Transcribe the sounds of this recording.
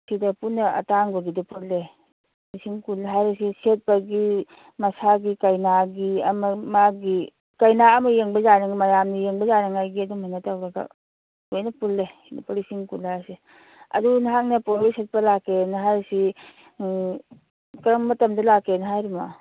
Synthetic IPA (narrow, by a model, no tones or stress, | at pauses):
sidɐpunːɐɐ̰taŋbɐɡidɐpulːe | lisiŋkuleɦajɾɐsiset̚pɐɡi | mɐsaɡikajnaɡiɐmɐmaɡi | kajnaɐmɐjeŋbɐzanɐŋmajamdijeŋbɐzanɐŋajɡiɐduŋmanɐtawɾɐɡa̰ | ojnɐpulːedɐpɐlisiŋkulasi | ɐ̰dunɦaŋnɐpoɾiset̚pɐlakːenɐɦajɾɐsi | kɾɐmːɐtɐmdɐlakːenɦajɾima̰